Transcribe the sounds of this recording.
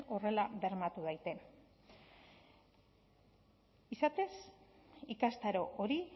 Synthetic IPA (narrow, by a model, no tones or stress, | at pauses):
o̞re̞laβe̞ɾmat̪uðajt̪e̞n | isat̪e̞sikast̪aɾo̞ʔoɾi